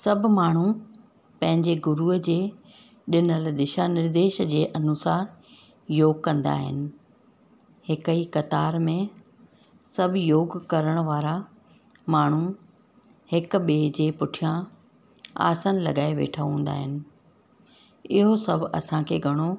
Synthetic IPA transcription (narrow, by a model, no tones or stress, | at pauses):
sɐbʱmaːɳ̤u | pɐ̃ɦɪ̃ɲd͡ʑeɡʊɾuːɦəd͡ʑeː | ɗɪnəld̪ɪʃanɪɾd̪eːʃd͡ʑeːʔɐnʊsaːɾ | joːɡ̚kɐ̃nd̪a̰ːɦɪ̰nɪ̆ | hɪkəikɐt̪aːɾmẽ | sɐbʱjoːɡkɐɾəɽ̃ʋaːɾa | maːɳ̤u | hɪkɓeːd͡ʑeːpʊʈʰijã | a̰ːsənlɐ̰ɠaːeʋḛːʈʰaɦũːn̆d̪a̰ːɦɪnɪ̆ | ɪɦosɐbʱɐ̰sãkʰeːɡʱɐɽ̃o